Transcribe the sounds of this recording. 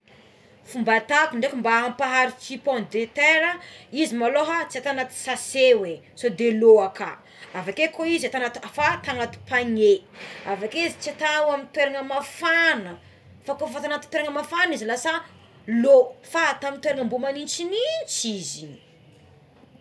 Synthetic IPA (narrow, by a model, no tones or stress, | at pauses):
fumbat̪akuɳɖ͡ʐekumbaampaɦaɾit͡ʃipɔnd̪et̪eɾəizimaloɦat͡siat̪anat̪i̥sasewe | sod̪eloakʰa | avakekoizat̪anat̪uafat̪aŋat̪u̥paŋeavakeizit͡siat̪awamint̪weɾaŋəmafanə | fakofat̪anat̪u̥t̪weɾaŋəmafanizilasa | lofat̪amint̪weɾaŋəmbumanint͡ʃinit͡ʃizi